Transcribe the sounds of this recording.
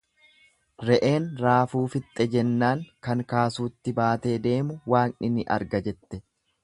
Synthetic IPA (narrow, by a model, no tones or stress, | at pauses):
ɾɛʔe̞ːnɾaːfuːfɪt̪ʼːɛd͡ʒɛnːaːŋkɐŋkaːsuːt̪ːɪbaːt̪e̞ːd̪e̞ːmʊwaːnɪnɪʔɐ̰ɾɡɐd͡ʒɛt̪ːɛ